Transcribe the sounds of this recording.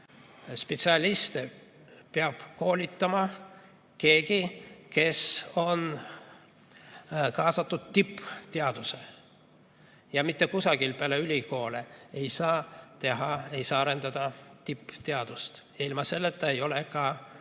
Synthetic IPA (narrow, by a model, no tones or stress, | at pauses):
spet̪siɑlʲist̪e | peɑb̥ko̞ːlʲit̪ˑːɑmɑ | ke̞ːɡ̥ike̞so̞n | kɑːsɑt̪ːˑud̪̥̚t̪ipːt̪eɑd̪̥use̞ | jɑmit̪ːe̞kusɑɡ̥ilpeæleylʲiko̞ːleejsɑːt̪e̞ɦɑe̞jsɑːɑɾe̞nd̪̥ɑd̪̥ɑt̪ipːt̪eɑd̪̥ust̪jɑilmɑse̞lːet̪ːˑɑe̞jo̞lekɑ